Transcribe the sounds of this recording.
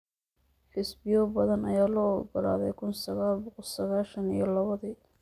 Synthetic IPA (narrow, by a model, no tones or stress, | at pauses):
ħɪsbɪjɔbɐðɐnɐjaːlɔːɔɡɐla̰ːðɛjkʰʊnsɐɣaːlbɔq̪sɐɣaːlʃɐnḭjɔlɐβɐðiː